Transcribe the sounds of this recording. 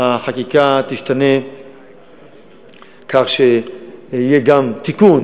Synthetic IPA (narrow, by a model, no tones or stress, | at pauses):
aħakikat̪iʃt̪ʰane | kʰaʁʃe | jeɡamt̪ikun